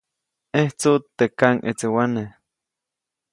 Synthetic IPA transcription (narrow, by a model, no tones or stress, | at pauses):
eht͡sut̪ːekaŋʔḛt͡sewane